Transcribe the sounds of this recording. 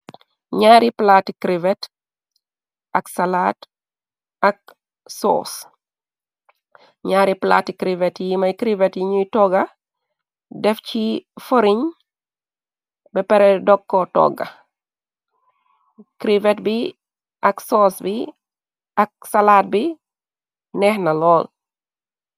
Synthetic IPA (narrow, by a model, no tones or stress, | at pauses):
ɲaːɾiplaːtikɾivɛt | ɐksalaːt | ɐk̚ | sɔ̰ːs | ɲaːɾipla̰ːtikɾivɛtjimɐjkɾivɛtjiɲuitɔɡɐ | dɛfcifoɾiɲ | bɛpɛɾɛdɔkːɔtɔ̰ɡːɐ̰ | kɾivɛtbi | ʔɐksɔːsbi | ɐk̚salaːt̚bi | nɛhnɐlɔːl